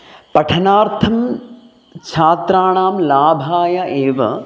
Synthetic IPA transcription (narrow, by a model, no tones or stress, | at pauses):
pɐʈʰɐnaːɾt̪ʰɐm | t͡ʃʰaːt̪ɾaːɳaːmlaːbʱaːjɐʔeːʋɐ̰